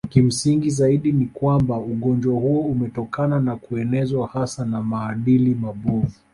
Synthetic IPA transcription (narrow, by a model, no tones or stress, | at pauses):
nkim̩siŋɡizaiɗinikwambauɠɔnd͡ʒwahuɔumɛtɔkananakuɛnɛzwahasanamaːɗilimaɓɔvu